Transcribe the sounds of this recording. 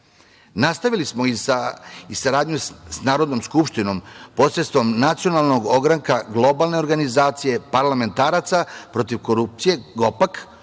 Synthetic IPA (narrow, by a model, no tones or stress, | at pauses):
nast̪aʋilismoiaisaɾaːd̪ɲusnaːɾod̪no̞mskupʃt̪ino̞mpo̞sɾet̪st̪ʋo̞mnat̪sijo̞nalˠno̞ɡoɡɾaŋkaɡlˠo̞balne̞o̞ɾɡanizaːt̪sije̞paɾlame̞nt̪aːɾat̪sapɾo̞t̪iʋko̞ɾup̚t̪sije̞ɡo̞pak